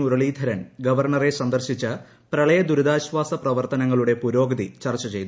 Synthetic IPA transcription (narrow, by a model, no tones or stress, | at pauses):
urɐɭiːd̪ʱɐɾɐnɡɐʋɐrɳɐre̞sɐnd̪ɐrɕit͡ɕːɐ | prɐɭɐjɐd̪uɾud̪aːɕʋaːsɐprɐʋɐrt̪ɐnɐŋːɐɭuɽe̞puɾo̞ːɡɐd̪it͡ɕɐrt͡ɕːɐt͡ɕe̞jt̪u